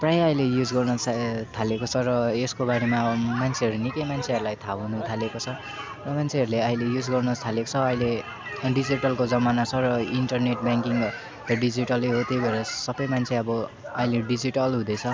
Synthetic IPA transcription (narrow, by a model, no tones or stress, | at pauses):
prajaʌilejud͡zɡʌrnʌt͡sʰt̪ʰalekot͡sʰʌɾʌeskobaɽemamant͡sʰeɦʌɾunikʌjmant͡sʰeɦʌɾulajt̪ʰaɦunut̪ʰalekot͡sʰʌ | rʌmant͡sʰeʌɾuleʌilejud͡zɡʌrnʌt̪ʰaleko̥t͡sʰʌːile | ɖid͡ziʈʌlkod͡zʌmanat͡sʰʌɾʌiɳʈʌrneʈ̚baŋkiŋ | ɖid͡ziʈʌleɦot̪jejbʌɾʌsʌbʌjmant͡sʰeʌbʌ | ʌɦileɖid͡ziʈʌlɦũd̪ʌjt͡sʰʌ